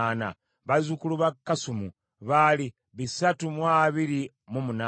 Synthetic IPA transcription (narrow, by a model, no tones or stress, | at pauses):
ana̰ | βazukuluβakːasumu | βali | βisatumwaːβiɾi | mumuna